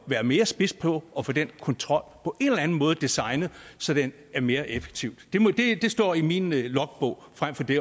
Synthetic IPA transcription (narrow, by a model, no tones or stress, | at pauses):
ʋæːɐme̝ːɐsb̥e̝sd̥̚pʰɒ̽ɒ̽fɔ̽d̥enkʰɒ̽nt͡sʰʁɒ̽l̰pʰɒ̽ʔe̝nlɐlæn̩mɔ̽ːð̞̩ˠd̥isɑ̈ɪnð̩ˠsɒ̽d̥en | æɐme̝ːɐʔefe̥ɡ̥t͡sʰiʊd̥d̥e̝md̥e̝d̥e̝sd̥ɒ̰ːiminlɒ̽ɡ̥̚b̥ɔ̽ʊ̰fʁam̰fɒ̽d̥e̝